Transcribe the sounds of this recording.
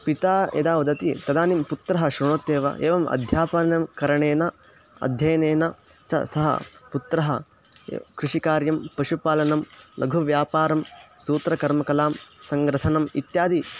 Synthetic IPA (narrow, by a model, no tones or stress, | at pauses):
pit̪aːḛd̪aːʋɐd̪ɐt̪it̪ɐd̪aːnimput̪ɾɐɦɐʃɾuɳoːt̪ːeːʋɐ̰ʔḛːʋɐmɐ̰d̪ʱjaːpɐnɐmkɐɾɐɳeːnɐ | ɐ̰d̪ʱjɐjɐneːnɐ | t͡ʃɐ̰sɐɦɐ̰put̪ɾɐɦɐ̰ | kɾuʂikaːɾjɐmpɐʃupaːlɐnɐmlʔɐɡʱuʋjaːpaːɾɐmsuːt̪ɾɐkɐɾmɐkɐlaːmsɐŋɡɾɐt̪ʰɐnɐmit̪jaːd̪i